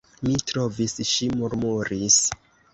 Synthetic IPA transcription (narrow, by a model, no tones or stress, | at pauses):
mitɾo̞visʃimuɾmuɾis